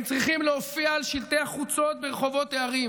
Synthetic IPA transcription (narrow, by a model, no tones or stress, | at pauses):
t͡sʁiχimleofiaːlʃilt̪eaχut͡so̞t̪̚beʁeχo̞vo̞t̪eaʁim